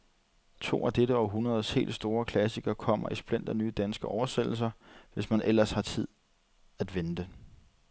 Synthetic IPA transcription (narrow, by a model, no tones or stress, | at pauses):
t͡sʰo̝̰ːæd̥eɾəɒ̽ɦunɐð̞ˠshe̝̰ːld̥sd̥o̝ːɐkʰlæs̬iɡ̥ɐkʰɒ̽m̰ɐ̰isb̥len̰d̥ɐnyːd̥ænsɡ̥əʔɒʊɐsel̥l̩s̬ɐʋe̝smænʔel̰ɐshɑ̈t͡sʰið̞̰ˠ | æd̥ʋend̥ə